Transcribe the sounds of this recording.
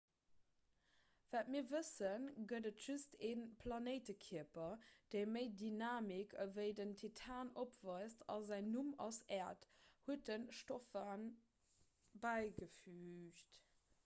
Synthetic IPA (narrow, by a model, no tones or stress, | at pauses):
v̥æːtmiːɐvəsənɡədətʒ̥ustʰeːnpʰlɑnəɪtəkʰiəpɐd̥eɪməɪdinaːmikʰəvəɪdəntʰitʰaːnopv̥ɑɪstʰɑ̰zæɪnːumɑ̰sɛːɐthuət̚ənʃtofən | bæɪɡəfyːɕt